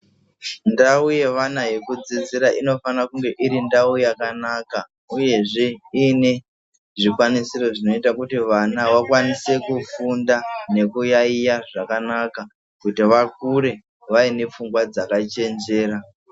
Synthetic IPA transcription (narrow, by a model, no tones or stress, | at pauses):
ndauje̞ʋanaje̞kud͡zid͡ziɾaʔino̞fanakuŋɡe̞ʔiɾindaujakanaka | uje̞ʐe̞ine | ʐikwanisiro̞ʐino̞itakutiʋanawakwanise̞kufundane̞kujaijaʐakanaka | kutiʋakuɾe̞ | ʋaine̞p͡fuŋɡwad͡zakat͡ʃe̞nd͡ʒe̞ːɾa